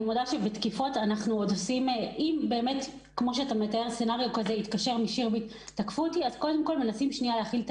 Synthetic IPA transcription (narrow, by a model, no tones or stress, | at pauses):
modaʃebet̪kifo̞tanaχnuod̪osimʔimbe̞ːme̞t | kmo̞ʃeatame̞tae̞ʁsenaʁijukazeit̪kaʃeʁmiʃiʁbiit | takfuotiazko̞de̞mko̞lme̞nasimʃnialeaːχilt